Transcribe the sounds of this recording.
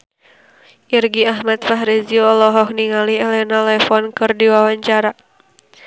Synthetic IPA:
ʔirɡiaɦmat̪̚faɦɾiziɔlɔɦɔk̚niŋaliɛlɛnalɛfɔnkɨrdiwawaɲt͡ʃaɾa

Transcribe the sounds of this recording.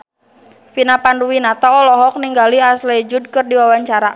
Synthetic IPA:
finapanduwinat̪aɔlɔɦɔk̚niŋɡaliasled͡ʒud̚kɨrdiwawaɲt͡ʃaɾa

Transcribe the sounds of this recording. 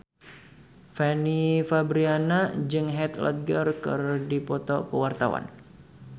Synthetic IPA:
fɛnifabɾianad͡ʒɨŋɦɛt̪la̰t̪̚ɡərkɨrdipɔt̪ɔ̰kəwart̪awa̰n

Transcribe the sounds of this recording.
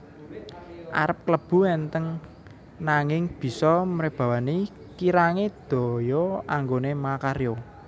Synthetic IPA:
ʔa̰ɾəp̚kləb̥ṳɛnt̪əŋ | naŋɪŋb̥i̤sɔmɾeb̥ä̤wani | kiɾaŋed̪̥ɔ̤jɔaŋɡonemakaɾjo

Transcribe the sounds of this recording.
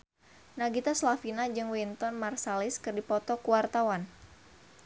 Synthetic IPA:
naɡit̪aslafinad͡ʒɨŋwint̪ɔnmarsaliskɨrdipɔt̪ɔkuwart̪awan

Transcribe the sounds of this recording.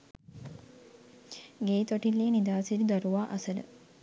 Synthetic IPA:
ɡeːt̪oʈilːeːnid̪aːsilid̪aɾuʋaːʔɐsələ̰

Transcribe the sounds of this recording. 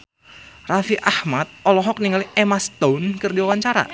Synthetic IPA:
rafiʔahmat̪̚ɔlɔɦɔk̚niŋaliʔɛmast̪onkərdiwawaɲt͡ʃaɾa̰

